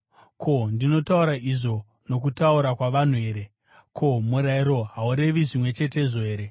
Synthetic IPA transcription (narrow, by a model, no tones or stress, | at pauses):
kʰo̞ndino̞tauɾaʔiʐo̞ | no̞kutauɾakwaʋan̤ue̞ːɾe̞ | kʰomuɾaiɾo̞ɦauɾe̞ʋiʐimwe̞t͡ʃe̞te̞ʐoeːɾe